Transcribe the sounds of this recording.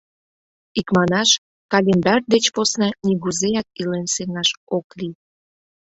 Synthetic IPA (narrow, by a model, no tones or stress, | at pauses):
ikmɑnɑʃ | kɑlʲend̪ɑrd̪et͡ɕposnɑnʲiɣuzejɑk̚ilenseŋɑʃokli